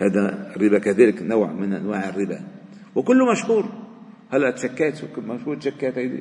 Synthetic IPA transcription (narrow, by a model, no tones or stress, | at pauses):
hæːd̪ærːɪbakaðæːlɪknawʕmɪnʔa̰nwaːʕɪrːɪba | wɪkʊlːʊmaʃhuːɾ | halːæʔt̪ʃakːæːt̪wkʊmaʃhuːɾt̪ʃakːæːt̪hajd̪ḭ